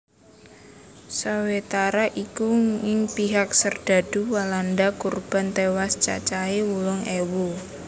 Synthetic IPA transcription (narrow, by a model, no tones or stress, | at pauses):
sawet̪aɾaʔikuɪŋpiɦak̚sərd̥a̤d̥ṳwalandakurb̥a̤nt̪ewast͡ʃa̰t͡ʃaewulʊŋewu